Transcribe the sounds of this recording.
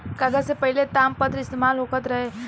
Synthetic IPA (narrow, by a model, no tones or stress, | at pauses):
kaɡəɾsepəɦilet̪aːmpət̪ɾɪst̪emaːlɦokət̪ɾɐɦe